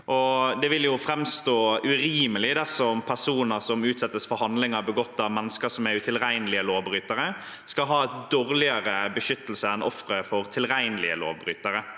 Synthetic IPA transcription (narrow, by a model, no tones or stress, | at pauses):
ʔɔd̪ɛʋɪljʊfɾɛmst̪oːʉɾiːməlɪd̪ɛsɔmpʰæsuːnəɾsɔmʉːt̪sɛt̪ːəsfɔɾhɑnd̪lɪŋəbəɡɔt̪ːɑʋmɛnːəskəsɔmæʉt̪ʰɪlɾæɪnlɪəloːʋbɾyːt̪əɾə | skɑɦɑːd̪oːɾlɪəɾəbəʃʏt̪ːəlsəɛnʔɔ̰fɾəfɔɾt̪ʰɪlɾæɪnəlɪə̰lo̰ːʋbɾyːt̪əɾə